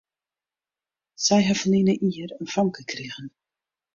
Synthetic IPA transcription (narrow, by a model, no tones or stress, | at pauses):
sɛjɦafəninəʔiərənfɔŋkəkʰriɣən